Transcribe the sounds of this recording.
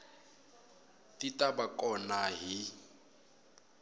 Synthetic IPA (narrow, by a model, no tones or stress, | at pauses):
tʼitʼabakʼɔnaɦi